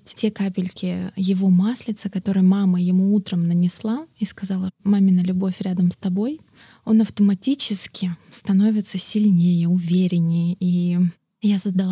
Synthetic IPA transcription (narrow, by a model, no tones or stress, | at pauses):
tʲtʲe̞kapʲɪlʲkʲɪjɪvo̞maslʲɪt̪səkɐt̪o̞ɾɨjəmaməjɪmuut̪ɾəmnənʲɪslˠaiskɐzalˠəmamʲɪnəlʲʊbo̞fʲɾʲad̪əmst̪ɐbo̞j | o̞nɐft̪əmɐtʲit͡ɕɪskʲɪst̪ɐno̞vʲɪt̪səsʲɪlʲnʲejəʊvʲeɾʲɪnʲːɪji | jasəzd̪ɐlˠ